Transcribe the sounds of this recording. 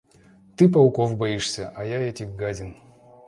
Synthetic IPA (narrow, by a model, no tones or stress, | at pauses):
t̪ɨpɐlˠkofbɐiʂsʲəʔɐjaɛtʲɪxɡadʲɪn